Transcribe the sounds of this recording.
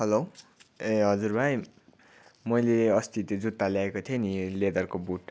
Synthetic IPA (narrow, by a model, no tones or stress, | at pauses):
ɦʌloeɦʌd͡zurbʱaj | mʌjleʌst̪it̪id͡zut̪ːaljaekot̪ʰieniled̪ʌrkobuʈ